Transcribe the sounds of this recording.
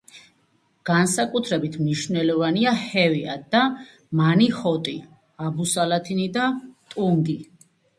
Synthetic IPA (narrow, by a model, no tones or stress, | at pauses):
ɡ̥ansakʼut̪ʰɾɛbit̪ʰmniʃnɛlɔvaniahɛvia̰d̪̥a | manihɔt̪ʼi | abusalat̪ʰinid̪at̪ʼuŋɡi